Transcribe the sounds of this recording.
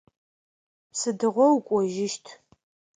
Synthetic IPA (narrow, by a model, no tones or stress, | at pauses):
sɨdɨʁʷɔwkʷʼɔʒɪʃtʰ